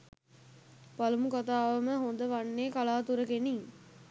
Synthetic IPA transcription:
pɐlumukat̪aːʋɐməɦond̪əʋɐnːeːkalaːt̪uɾɐkeniŋ

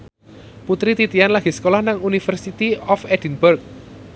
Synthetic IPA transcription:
put̪ɾit̪it̪ianlaɡ̥i̤sə̥kolahnaŋunifərsit̪iɔfɛd̥inburk̚

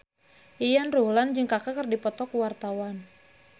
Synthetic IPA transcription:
ʔijanruɦland͡ʒɨŋkakakərdipɔt̪ɔkuwart̪awan

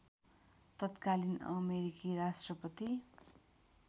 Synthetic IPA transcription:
t̪ʌt̪kalinʌ̰meɾikiɾasʈrʌpʌt̪i

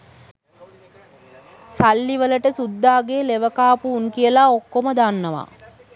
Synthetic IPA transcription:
salːiʋələʈəsud̪ːaːɡeːleʋəkaːpuːŋkijəlaokːoməd̪anːəʋa̰

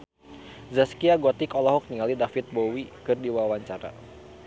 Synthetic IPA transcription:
zaskiaɡɔt̪ikɔlɔɦɔk̚niŋalidafit̪̚bowikɨrdiwawaɲt͡ʃaɾa̰

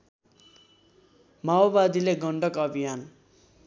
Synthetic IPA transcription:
maobad̪ileɡʌɳɖʌkʌbʱijan

